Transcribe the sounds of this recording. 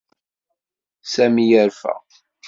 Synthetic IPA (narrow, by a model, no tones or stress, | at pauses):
sæmijəɾfæ̰